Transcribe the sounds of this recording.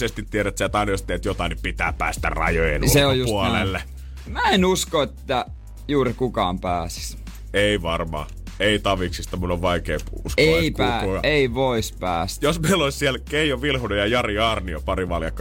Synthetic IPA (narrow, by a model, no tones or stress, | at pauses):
sest̪it̪ːieɾæt̪sæt̪ɑˑinɑjost̪eːt̪jot̪ɑinyppit̪æːppæ̰ːst̪æ̰rɑ̰jojḛnseojjusuolḛlːe | mæenuskoet̪ːæ | juːrikukɑ̰ːmpæːsi̥s | eiʋɑrmɑ̰ː | eˑit̪ɑʋiksist̪ɑmunoʋʋɑikeːpuskeikuætuɑeiʋoispæ̰ːsjosmeilolissiælkeijoʋilhunojɑjɑriɑrniopɑriʋɑljɑ̰kː